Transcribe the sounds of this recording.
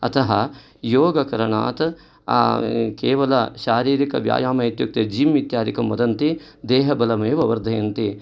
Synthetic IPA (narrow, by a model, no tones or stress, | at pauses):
ɐ̰t̪ɐɦɐ | joːɡɐkɐɾɐɳa̰ːt̪ | keːʋɐlɐʃaːɾiːɾikɐʋja̰ːjaːmɐit̪juk̚t̪ɐd͡ʒiːmʋit̪jaːd̪ikɐmʋɐd̪ɐnt̪i | d̪eːɦɐbɐlɐmeːʋɐʋɐɾd̪ʱɐjɐnt̪i